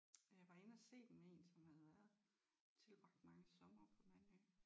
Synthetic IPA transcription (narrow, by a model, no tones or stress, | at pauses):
jɑ̈ɪʋɑ̈e̝nəæse̝̰ːd̥emmee̝ːnsɒ̽mhæðˠʋæɐðˠ | t͡sʰe̝lb̥ʁɑ̈ɡ̥d̥mɑ̈ŋəsɒ̽mɐːpʰɒ̽mæn̰ø